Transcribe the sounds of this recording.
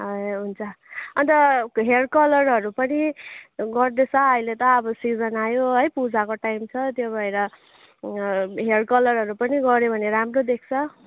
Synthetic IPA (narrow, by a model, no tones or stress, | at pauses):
ɦʌjɦunt͡sʰʌʌnt̪ʌɦeɽkʌlʌrɦʌɾupʌniɡʌrd̪et͡sʰʌʌilet̪ʌːbʌsid͡zʌnajoɦʌjpud͡zakoʈajmt͡sʰʌt̪jobʱʌeɾʌ | ɦeɽkʌlʌrɦʌɾupʌniɡʌɾjebʱʌneɾamrod̪ek̚ʰt͡sʰʌ